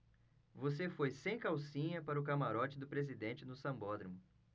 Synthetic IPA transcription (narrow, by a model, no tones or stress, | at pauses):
vosefojsẽj̃kawsĩɲɐpaɾɐʊkamaɾɔt͡ʃɪd̪ʊpɾezid̪ẽnt͡ʃɪnʊsɐ̃mbɔd̪ɾimʊ